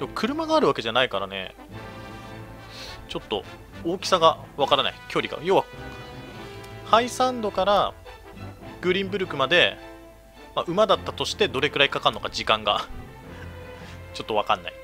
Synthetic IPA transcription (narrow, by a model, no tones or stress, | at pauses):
d̪̥e̞mokʰɯ̟ɾɯ̟maɡaːɾɯ̟βake̞ʑanaikaɾane̞̰ | t͡ɕo̞t̪ːo̞̰ | o̞ːkʲi̥saɡaβakaɾana̰ikʲo̞ːɾʲiɡa̰jo̞ːβa | haisãnd̪o̞kaɾa | ɡ̥ɯ̟ɾʲĩmbɯ̟ɾɯ̟kɯ̟mad̪e̞ | maʔɯ̟mad̪at̪ːat̪o̞ɕi̥t̪e̞d̪o̞ɾe̞ɡɯ̟ɾaikakanːo̞kad͡ʑikãŋɡa | t͡ɕo̞t̪ːo̞βakãnːa̰i